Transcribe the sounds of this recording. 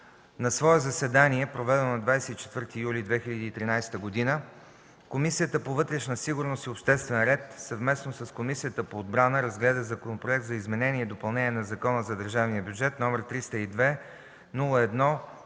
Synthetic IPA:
nɐsvɔɛzɐsɛd̪aniɛpɾovɛd̪ɛnonɐd̪vajsɛt̪it͡ʃɛ̥t̪vɤɾt̪iːjulid̪vɛxilʲəd̪iːt̪ɾinajst̪əɡod̪inə | komisijət̪əpovɤt̪ɾɛʃnəsiɡʊɾnost̪iopʃt̪ɛst̪vɛnɾɛt̪sɐvmɛsnosɐskomisijət̪əpoːd̪̚bɾanəɾɐzɡlɛd̪əzɐkonopɾoɛk̚t̪zɐizmɛnɛniɛid̪opɐlˠnɛniɛnɐzɐkɔnəzɐd̪əɾʒavnijəbʲjud͡ʒɛt̪nɔmɛɾt̪ɾist̪əid̪vɛ | nulˠəɛd̪nɔ

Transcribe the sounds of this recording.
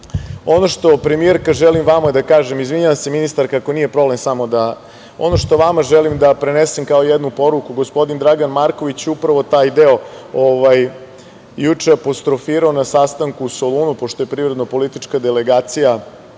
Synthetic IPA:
o̞no̞ʃt̪o̞pɾe̞mieɾkaʒelimʋamad̪akaːʒemizʋiɲuʋaseminist̪aɾkako̞nije̞pɾo̞ble̞msamo̞d̪a | o̞̰no̞ʃt̪o̞ʋamaʒelimd̪apɾe̞nesemkaoijed̪nupo̞ɾukuɡospo̞d̪ind̪ɾaɡanmaɾko̞ʋit͡ɕjeupɾaʋo̞t̪aːjd̪eo̞ | oʋaj | jut͡ʂeapost̪ɾofiɾaonasast̪aŋkuːsolˠunupo̞ʃt̪o̞jepɾivɾed̪no̞po̞lit̪it͡ʃkad̪ele̞ɡaːt̪sija

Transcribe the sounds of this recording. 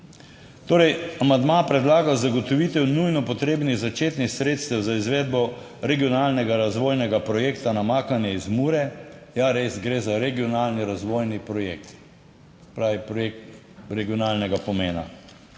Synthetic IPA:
t̪oːɾɛjamand̪mapɾɛd̪laːɡawzaɡɔt̪ɔʋit̪ɛwnujnɔpɔt̪ɾeːbniɣzat͡ʃeːt̪nixsɾeːt̪st̪ɛwzaizʋeːd̪̚bɔ | ɾɛɡijɔnalnɛɡaɾazʋoːjnɛɡapɾɔjeːkt̪anamaːkanjɛizmuːɾɛjaɾezɡɾeːzaɾɛɡiɔnaːlniɾazʋoːjnipɾɔjeːk̚t̪ | sɛ̥pɾaːʋipɾek | ɾɛɡiɔnalnɛɡapɔmeːna̰

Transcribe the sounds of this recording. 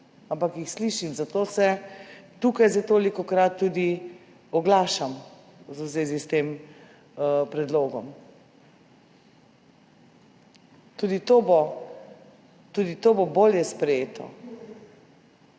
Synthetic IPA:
ampakjixsliʃimzat̪oːsɛt̪ukajzat̪oːlikɔkɾat̪ːuːd̪i | ɔɡlaːʃam | zuzʋeːzist̪eːm | pɾɛd̪loːɡɔm | t̪ud̪it̪obo | t̪ud̪it̪oːboboːljɛspɾɛjeːt̪ʰɔ̰

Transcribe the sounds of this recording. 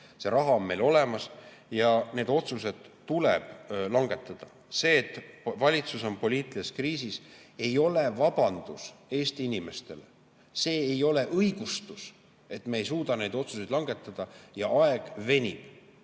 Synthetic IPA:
se̞ɾɑɦɑo̞mme̞jlo̞le̞mɑs | jɑne̞ːd̪o̞t̪sus̬e̞d̪̥ːuleb̥lɑŋɡe̞t̪ːˑɑd̪̥ɑ | se̞ːt̪ːvɑlʲit̪suso̞mpo̞lʲiːt̪ːˑilieskriːsise̞jo̞le̞vɑbɑnd̪̥use̞ːst̪iinime̞st̪e̞le | se̞ːejo̞le̞ʔɤjɡ̥ust̪us | e̞t̪ːˑmeːjsuːd̪̥ɑne̞jd̪o̞t̪susejd̪lɑŋɡe̞t̪ːˑɑd̪̥ɑjɑɑeɡ̥ve̞nʲib̥

